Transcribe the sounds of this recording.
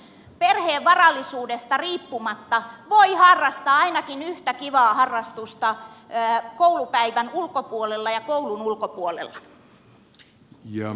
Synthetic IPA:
perheːʋʋɑrɑlːisuːdest̪ɑriːpːumɑt̪ːɑʋoihɑrːɑst̪ɑːɑinɑkinyht̪ækiʋɑːhɑrːɑst̪ust̪ɑː | kowlupæiʋænulkopuolelːɑjɑkoulunulkopuolḛlːɑ | jɑ̰

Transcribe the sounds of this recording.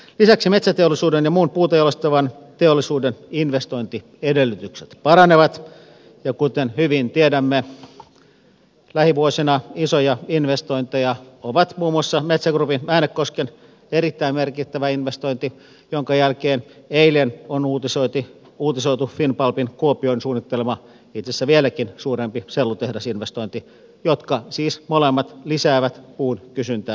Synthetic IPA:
lisæksimet̪sæt̪eolːˑisuːdenjɑmuːnpuːt̪ejolest̪ɑʋɑn | t̪eolːˑisuːdeninʋest̪oint̪i | edelːyt̪ykse̥t̪pɑɾɑneʋɑt̪ | jɑkut̪enhyʋint̪iedæmːe | læhiʋuosinɑisojɑinʋest̪oint̪ejɑoʋɑt̪muːmuɑsːɑmet̪sæɡrupinmæːnekkosken | eɾit̪ːæimmerkit̪ːæʋæinʋest̪oint̪i | joŋkɑjælkeːneilenonuːt̪isoit̪i | uːt̪isoit̪ufinpɑlpinkuopioinsuːnːit̪ːelemɑ | it̪sesːæʋielækinsuːrempiselːut̪ehdɑsinʋest̪oint̪i | jot̪kɑsiːsmolemːɑt̪lisæːʋæt̪puːnkysynt̪æː

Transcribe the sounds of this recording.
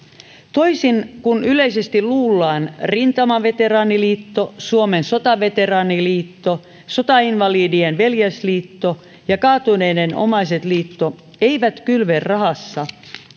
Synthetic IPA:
t̪o̞isinkunyleisest̪iluːlːɑːnrint̪ɑmɑʋe̞t̪e̞ɾɑːniliːt̪ːo̞suomenso̞t̪ɑʋe̞t̪e̞ɾɑːniliːt̪ːo | so̞t̪ɑinʋɑliːdienʋe̞ljæsliːt̪ːo | jɑkɑːt̪une̞jneno̰mɑjset̪liːt̪ːo | e̞iʋæt̪kylʋerrɑɦɑsːɑ

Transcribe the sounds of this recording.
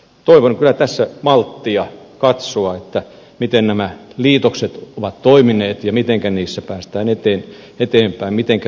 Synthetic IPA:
t̪oiʋonkylæt̪æsːæmɑlt̪ːiɑkɑt̪soɑet̪ːæ | mit̪ennæmæliːt̪okset̪oʋɑt̪t̪oimineːt̪jɑmit̪eŋkæniːsːæpæːst̪æːnet̪eːn | et̪eːmpæimmit̪eŋkæ

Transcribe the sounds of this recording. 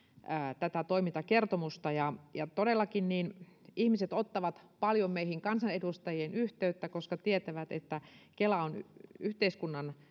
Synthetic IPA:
æːt̪æt̪æt̪oimit̪ɑkert̪omust̪ɑjɑjɑt̪odelːɑkinniːnihmiset̪ot̪ːɑʋɑt̪pɑljommeihiŋkɑnsɑnedust̪ɑjienyht̪eyt̪ːækoskɑt̪iet̪æʋæt̪ḛt̪ːækelæonyht̪eiskunːɑn

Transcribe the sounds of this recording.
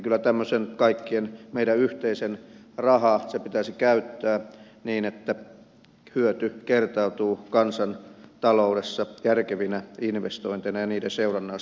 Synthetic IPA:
kylːæt̪æmːøsenkɑikːienmeiɾæyht̪eisenrɑhɑsepit̪æsikæyt̪ːæː | niːnet̪ːæ | hyøt̪ykert̪ɑut̪uːkɑnsɑnt̪ɑloudesːɑjærkeʋinæinʋest̪oint̪enɑjɑniːdeseurɑnːɑː

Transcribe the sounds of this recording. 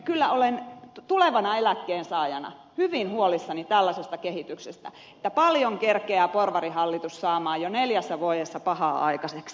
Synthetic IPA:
kylːæolent̪uleʋɑnɑelækːeːnsɑːjɑ̰nɑ̰ | hyʋinhuolisːɑnit̪ælːæsest̪ɑkehit̪yksest̪æ̰ | ĕ̥t̪ːæpɑljoŋkerkeæːporʋɑɾihɑlːit̪ussɑːmɑːjoneljæsːæʋuoˑjesːɑpɑhɑ̰ːʔɑ̰ikɑseks

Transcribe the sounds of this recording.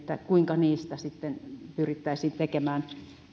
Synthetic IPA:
t̪ːækuiŋkɑniːst̪æsit̪ːenpyrit̪ːæisiːnt̪ekemæːn

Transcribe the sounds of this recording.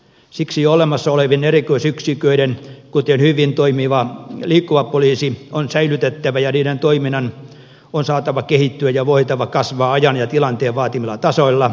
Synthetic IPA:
siksijoolemɑsːɑoleʋinerikoisyksikøiɾenkut̪enhyʋint̪oimiʋɑliːkːuʋɑpoliːsionsæilyt̪et̪ːæʋæjɑniːɾent̪oiminːɑn | onsɑːt̪ɑʋɑkehit̪ːyæjɑʋoit̪ɑʋɑkɑsʋɑːɑjɑnjɑt̪ilɑnt̪eːʋʋɑːt̪imilːɑt̪ɑsoilːɑ

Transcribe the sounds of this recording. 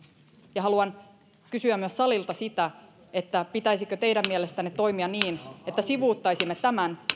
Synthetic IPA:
jɑɦɑluɑn | kysyæmyøssɑlilt̪ɑsit̪æ | e̞t̪ːæpit̪æjsikøt̪ejɾæmːiele̞st̪ænːet̪o̞jmiɑniːnet̪ːæsiʋuːt̪ːɑjsimːet̪æmæn

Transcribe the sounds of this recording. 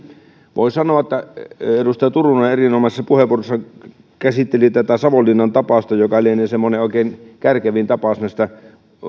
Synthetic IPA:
ʋo̰ˑisɑnoɑet̪ːæerust̪ɑjɑt̪urunɑɑerinomɑsesːɑpuheʋˑuorosːɑ | kæsit̪ːelit̪æt̪æsɑʋolːˑinːɑnt̪ɑpɑˑst̪ɑjokɑlienesemːoneʔoˑikeˑːnkærkeʋint̪ɑpɑˑsnæˑist̪æ

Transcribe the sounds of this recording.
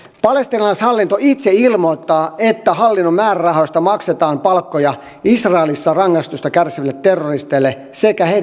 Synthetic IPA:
pɑlest̪inɑlɑishɑlːint̪oit̪seilmoit̪ːɑːet̪ːæhɑlːinːommæːrærɑhost̪ɑmɑkset̪ɑːmpɑlkːojɑ | isrɑelisːɑrɑŋːɑst̪ust̪ɑkærsiʋælːet̪ːerːorist̪elːe | sekæhei

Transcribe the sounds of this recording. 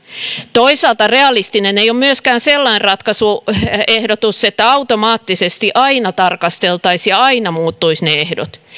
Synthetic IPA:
t̪oisɑːˑlt̪ɑreɑlist̪ineneiommyøskæːnselːɑnrɑt̪kɑsuehdot̪uset̪ːæɑut̪omɑːt̪ːisest̪iʔɑinɑt̪ɑrkɑst̪elt̪ɑisjɑɑinɑmuːt̪ːuisneehdo̰t̪

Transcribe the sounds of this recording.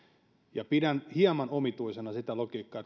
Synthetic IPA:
jɑpidænhiɑmɑnomit̪uisenɑsit̪ælokiːkːɑː

